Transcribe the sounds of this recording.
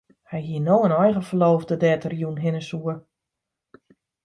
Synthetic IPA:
hɛjɦiənoːənɔjɣəfəloːfdədɛːtʰərjunɦɪnəsuə

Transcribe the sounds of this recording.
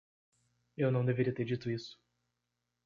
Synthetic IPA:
ewnɐ̃w̃d̪eveɾiɐt̪eɾd͡ʒit̪ʊisʊ̥

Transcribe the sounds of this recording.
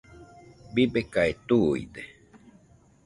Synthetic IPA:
bibekaet̪uḭd̪e

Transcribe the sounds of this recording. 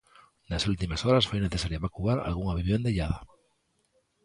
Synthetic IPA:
nasult̪imasoɾasfojneθesaɾjaβakuaɾa̰lɣuŋaβiβjond̪eʎaða

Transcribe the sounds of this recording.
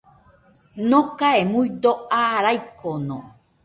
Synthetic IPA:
nõkaemuid̪oaɾajkonõ̰

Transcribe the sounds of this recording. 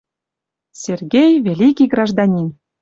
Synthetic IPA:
sʲerɡʲejvʲelʲikʲiɡrɑʒd̪ɑnʲin

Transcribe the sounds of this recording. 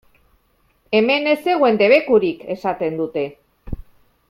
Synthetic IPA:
eme̞ne̞se̞ɣ̞we̞nd̪e̞β̞e̞kuɾike̞sat̪e̞nd̪ut̪e̞

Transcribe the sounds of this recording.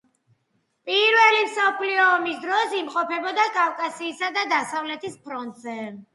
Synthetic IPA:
pʼiɾvɛlimsɔpʰliɔːmisd̪ɾɔsimqʼɔpʰɛbɔd̪akʼafkʼasiːsad̪ad̪asavlɛt̪ʰispʰɾɔnt̪ʼzɛ

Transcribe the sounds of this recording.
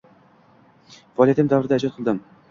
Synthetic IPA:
vɒlʲˠjat̪ɪmd̪avɾɪd̪aɪd͡ʒɒt̪qʰlˠd̪ɪm

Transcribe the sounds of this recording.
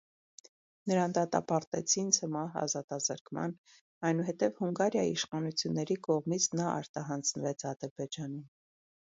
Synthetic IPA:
nəɾɑnd̪ɑt̪ɑ̰pɑɾt̪ɛ̰t͡sʰint͡sʰəmɑɦɑ̰zɑt̪ɑzəɾkmɑ̰n | ɑjnuɦɛt̪ɛvhuŋɡɑɾjɑḭiʃχɑnut͡sʰjunːɛɾikɔʁmit͡sʰnɑʔɑ̰ɾt̪ɑɦɑnd͡znəvɛt͡sʰɑd̪əɾbɛd͡ʒɑnum

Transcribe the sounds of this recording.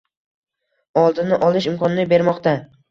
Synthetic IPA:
ɒlˠd̪ɪnɪʔɒlˠɪʃɪmkʰɒnɪnɪbe̞ɾmɒqt̪a

